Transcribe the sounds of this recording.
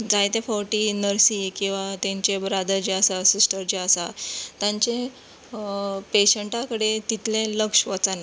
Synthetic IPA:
d͡zajt̪ẽfɔɾʈinəɾsikĩw̃ʋat̪ẽɲt͡ɕebɾad̪əɾd͡ʑeəsasisʈʰəɾd͡ʑeəsat̪jãɲt͡ɕe | peɕəɳʈakəɽet̪it̪lẽləkʂʋət͡san

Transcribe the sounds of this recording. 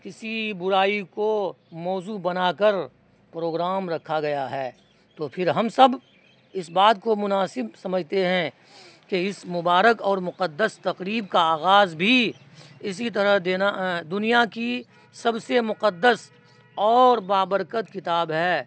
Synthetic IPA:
kɪsibʊɾaːiko | mɔːzubɐnakəɾ | pɾoːɡɾaːmɾɐkʰaɡɐjaɦɛː | t̪oːpʰɪɾɦɐmsɐb | ɪsbaːt̪̚komʊnaːsɪbsɐməd͡ʒʱt̪eɦɛ̃ | keɪsmʊbaːɾəkɔːɾmʊqəd̪ːəst̪ɐqɾiːbkaaːɣaːzbʱi | ɪs̬it̪̬ɐɾəɦd̪eːnaɦd̪ʊnijaki | sɐbsemʊqəd̪ːəs | ɔːɾbaːbəɾkət̪kɪt̪aːbɦɛː

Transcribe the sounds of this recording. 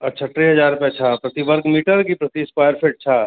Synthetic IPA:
ɐtːt͡ʃʰaʈɾeɦɐd͡ʒaːɾpɛ̃t͡ʃʰaːpɾɐt̪iʋəɾɡmiːʈəɾkipɾɐt̪iːspaːjəɾpʰeʈ̚t͡ʃʰa

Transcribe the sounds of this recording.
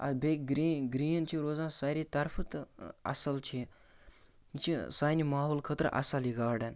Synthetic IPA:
ɐ̰beːkɡɾiɡɾiːnt͡ʃʰiɾoːzãːnsaːɾit̪ɐɾfʰət̪ɐ̰səlt͡ʃʰi | t͡ʃʰisaːjnimaːɦoːlkʰət̪ɾə̰ʔɐ̰saliɡaːɽen

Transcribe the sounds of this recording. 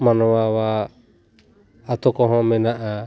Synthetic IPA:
manɔwawa | t̪ɔkɔɦɔ̃mɛnaʔa

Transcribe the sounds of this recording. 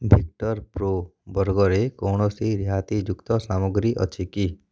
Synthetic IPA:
bʱik̚ʈɔɾpɾobɔɾɡɔɾekɔɳ̃ɔsiɾjat̪id͡ʒukt̪ɔsamoɡɾiʔɔ̰t͡ʃʰiki

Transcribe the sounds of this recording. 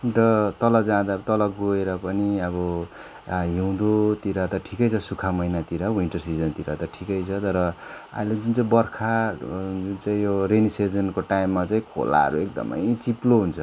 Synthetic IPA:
ɾʌt̪ʌlʌd͡zãd̪at̪ʌlʌɡoeɾʌpʌniʌβʌ | ɦiw̃d̪ot̪iɾat̪ʌʈʰikʌjt͡sʰʌsukʰamʌjnat̪iɾʌwiɳʈʌrsid͡zʌnt̪iɾat̪ʌʈʰikʌjt͡sʰʌt̪ʌɾʌ | a̰iled͡zunt͡saĩbʌrkʰad͡zunt͡saĩjoɾenised͡zʌnkoʈaimːat͡saĩkʰo̰la̰ɦʌ̰ɾuek̚d̪ʌ̰mʌ̰jt͡siploɦunt͡sʰʌ

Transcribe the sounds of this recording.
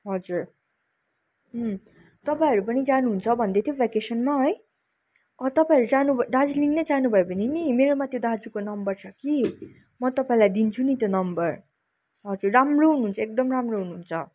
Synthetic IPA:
ɦʌd͡zuɾ | ɦ | t̪ʌpãĩɦʌɾupʌnid͡zanuɦunt͡sʰʌbʱʌnd̪et̪ʰjobʱekesʌnmaɦʌj | ʌt̪ʌpãĩʌɾud͡zanubʱʌd̪ad͡zuliŋnʌjd͡zanubʱʌebʌninimeɾomat̪jod̪ad͡zukonʌmbʌrt͡sʰʌki | mʌt̪ʌpãĩlajd̪int͡sʰunit̪jonʌmbʌr | ɦʌd͡zurːamroɦunuɦunt͡sʰʌek̚d̪ʌmramroɦunuɦunt͡sʰʌ

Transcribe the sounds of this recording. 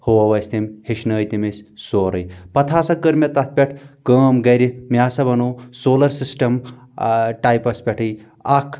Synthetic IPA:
hoɐʋɐsʲt̪emheʃnɐːjt̪imessoːɾɐ̰jpɐt̪ʰaːsɐkɐɾmʲɐt̪ɐt̪̚pʲeʈʰkəːmɡɐɾimaːsɐbɐnosoːlɐɾsisʈɐm | ʈajpɐspʲɐʈʰɨj | akʰ

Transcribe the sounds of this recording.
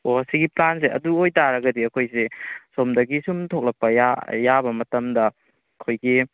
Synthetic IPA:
oɐsiɡiplans̬eɐ̰duojtaɾɐɡɐdiɐkʰojsesomdɐɡisumtʰok̚lɐk̚pɐjajabɐmɐtɐmdɐ | ɐkʰojɡi

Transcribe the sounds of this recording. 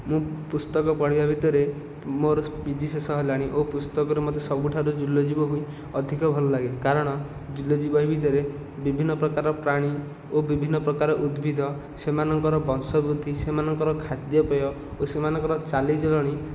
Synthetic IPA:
mũpust̪ɔkɔpɔɽibabʱit̪ɔɾe | moɾɔbid̪ʱisesɔɦɔlaɽ̃iʔopust̪ɔkɔɾemɔt̪esɔbuʈʰaɾud͡ʒulɔd͡ʒibɔɦui | ɔd̪ʱikɔbʱɔlɔlaɡekaɾɔɽ̃ɔ | d͡ʒulːɔd͡ʒibɔɦibʱit̪ɔɾe | bibʱinːɔpɾɔkaɾɔpɾaɽ̃i | obibʱinːɔpɾɔkaɾɔʔud̪bʱid̪ʱɔ | semanɔŋkɔɾɔbɔnsɔbɾud̪ʱisemanɔŋkɔɾɔkʰad̪jɔpɔjɔ | osemanɔŋkɔɾɔt͡ʃalid͡ʒɔlɔɽ̃i

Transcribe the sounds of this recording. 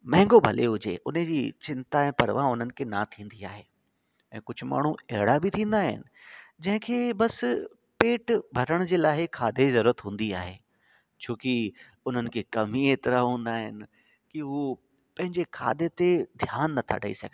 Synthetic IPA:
mɐ̃ɦɪ̃ŋɡobʱɐleɦʊd͡ʑḛʔʊnd͡ʑiːt͡ɕɪ̃nt̪aɛ̃ːpɐɾʋãʊn̤ənɪ̆kʰeːnat̪ʰĩːn̆d̪iaːɦeː | ɛ̃ːkʊd͡ʑʱʊ̆ma̰ːɳ̤uɛɦɪɽabit̪ʰĩːn̆d̪aːɦɪ̰nɪ̆d͡ʑɐ̃ɦɪ̃kʰeːbɐs | peːʈbʱɐɾəɽ̃ʊd͡ʑeːlaːɦɪkʰaːd̪ezɐɾuːɾət̪ɦũːn̆d̪iaːɦeː | t͡ɕʰoːki | ʊn̤ənɪ̆kʰeːkɐmiet̪ɪɾaɦũːn̆d̪aːɦɪ̰nɪ̆ | kiɦu | pɐ̃ɦɪ̃ɲd͡ʑekʰa̰ːd̪et̪ed̪ʱjaːnːɐt̪ʰa̰ʈəḭsɐ̰ɡʱ

